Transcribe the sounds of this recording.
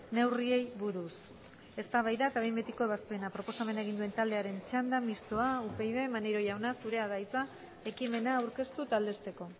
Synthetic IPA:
ne̞wrie̞jβuɾus | e̞st̪aβajðat̪aβejmbe̞t̪iko̞e̞βaspe̞napɾo̞po̞same̞nae̞ɣ̞ind̪ue̞nt̪ald̪e̞aɾe̞nt͡ʃand̪amist̪o̞aupejðe̞maneɾo̞ʝawnasuɾe̞aðajt͡s̪a | e̞kime̞naːwɾke̞st̪ut̪ald̪e̞st̪e̞ko̞

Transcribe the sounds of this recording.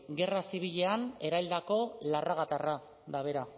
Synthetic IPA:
ɡe̞rasiβ̞iʎe̞ane̞ɾajld̪ako̞laraɣat̪ara | d̪aβe̞ɾa

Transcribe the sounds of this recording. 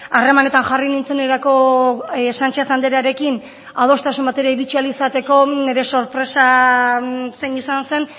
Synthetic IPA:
are̞mane̞t̪anʝarinint͡sene̞ɾako̞ | sant͡ʃasand̪e̞ɾaɾe̞kin | að̞o̞st̪asumbat̪e̞ɾaiβit͡ʃialisat̪e̞ko̞ne̞ɾe̞so̞ɾpɾe̞sa | senisanse̞n

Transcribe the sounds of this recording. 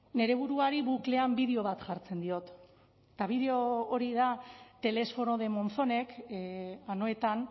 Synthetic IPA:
ne̞ɾe̞βuɾuaɾiβukle̞ambiðeo̞β̞at̪ʝaɾt͡se̞nd̪io̞t̪ | t̪aβið̞e̞o̞ːɾið̞at̪e̞le̞sfo̞no̞ð̞e̞mo̞nθo̞ne̞k | ano̞e̞t̪an

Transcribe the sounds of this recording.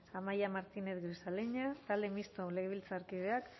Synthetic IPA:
amajamaɾt̪ineθɡɾisaleɲat̪ald̪emist̪oleɣeβilt͡saːɾkið̞eak

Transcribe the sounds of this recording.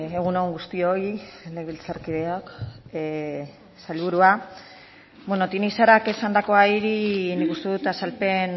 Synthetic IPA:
eɣ̞unoŋɡust̪io̞ileβilt͡saɾkiðeok | salβuɾua | bweno̞t̪inisaɾake̞sand̪ako̞aiɾinikust̪e̞ðut̪asalpe̞n

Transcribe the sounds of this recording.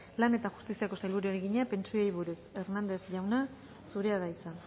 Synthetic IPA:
lane̞t̪aɣu̥st̪isiako̞sajlβuɾeoɾeɣiɲape̞nt͡suejβuɾuse̞ɾnand̪e̞θʝawna | suɾe̞aðajt͡san

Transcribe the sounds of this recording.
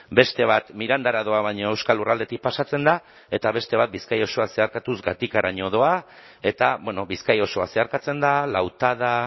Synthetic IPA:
be̞st̪e̞β̞at̪miɾand̪aɾaðo̞aβajɲo̞e̞wskalurald̪e̞t̪ik̚pasat͡se̞nd̪a | e̞t̪aβ̞e̞st̪e̞β̞at̪̚biskajo̞so̞ase̞aɾkat̪uzɡat̪ikaɾaɲo̞ð̞o̞a | e̞t̪aβwenoβiskajo̞so̞ase̞aɾkat͡se̞nd̪alawt̪að̞a

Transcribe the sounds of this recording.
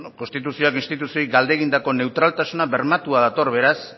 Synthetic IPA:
ko̞nst̪it̪usio̞akinst̪it̪usio̞jɡald̪e̞ɣind̪ako̞ne̞wt̪ɾalt̪asunaβe̞ɾmat̪uað̞at̪o̞rβe̞ɾas

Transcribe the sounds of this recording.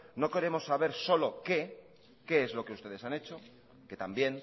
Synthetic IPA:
no̞ke̞ɾe̞mo̞sːaβe̞ɾso̞lo̞ke̞ | ke̞ezlo̞ke̞ust̪e̞ð̞esane̞t͡ʃo̞ | ke̞t̪ambje̞ŋ

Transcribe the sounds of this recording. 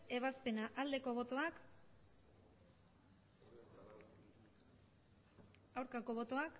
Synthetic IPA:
e̞β̞aspe̞naʔald̪e̞ko̞βot̪oak | awɾkako̞β̞o̞t̪o̞ak

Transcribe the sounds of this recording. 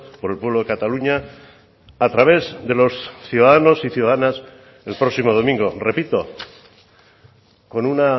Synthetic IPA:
po̞ɾe̞lpwe̞βlo̞ðe̞kat̪aluɲaː | t̪ɾaβ̞e̞zðe̞lo̞sθjuðaðano̞siθjuðaðanas | e̞lpɾo̞ksimo̞ð̞o̞mĩŋɡo̞re̞pit̪o̞ | ko̞nuna

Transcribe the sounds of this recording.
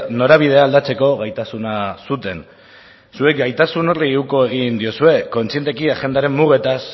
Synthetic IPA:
no̞ɾaβ̞ið̞e̞aːld̪at͡se̞ko̞ɣajt̪asunasut̪e̞n | sue̞k̚ɡajt̪asuno̞riuko̞e̞ɣ̞ind̪io̞sue̞ko̞nt͡sie̞nt̪e̞kiaʝe̞nd̪aɾe̞mmuɣ̞e̞t̪as

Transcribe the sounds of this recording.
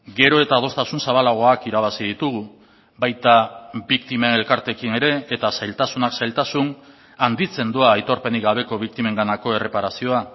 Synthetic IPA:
ɡe̞ɾo̞e̞t̪að̞o̞st̪asunsaβalaɣ̞o̞akiɾaβasið̞it̪uɣ̞u | bajt̪abikt̪ime̞ne̞lkaɾt̪e̞kine̞ɾe̞ːt̪asajlt̪asunaksajlt̪asun | and̪it͡se̞nd̪uaːjt̪o̞ɾpe̞niɣaβ̞e̞ko̞βik̚t̪ime̞ŋɡanako̞e̞re̞paɾasio̞a

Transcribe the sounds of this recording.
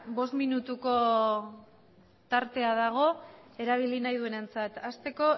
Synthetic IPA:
bo̞st̪minut̪uko̞ | t̪aɾt̪e̞aðaɣ̞o̞e̞ɾaβ̞ilinajð̞ue̞ne̞nt͡sat̪ast̪e̞ko̞

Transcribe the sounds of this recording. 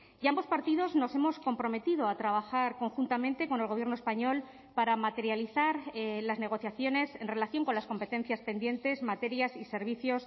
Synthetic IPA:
iambo̞spaɾt̪ið̞o̞zno̞se̞mo̞sko̞mpɾo̞me̞t̪iðo̞at̪ɾaβ̞axaɾko̞ŋxunt̪amẽ̞nt̪e̞ko̞ne̞lɣoβje̞ɾno̞e̞spaɲo̞l | paɾamat̪e̞ɾjaliθaɾlazne̞ɣ̞o̞θjaθjo̞ne̞se̞nre̞laθjo̞ŋko̞nlasko̞mpe̞t̪e̞n̟θjaspe̞nd̪je̞nt̪e̞zmat̪e̞ɾjasise̞ɾβ̞iθjo̞s

